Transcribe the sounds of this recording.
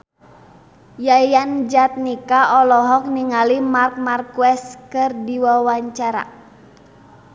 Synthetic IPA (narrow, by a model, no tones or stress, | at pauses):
jajand͡ʒat̪̚nikaʔɔlɔɦɔk̚niŋalimark̚markuwɛskɨrdiwawaɲt͡ʃaɾa̰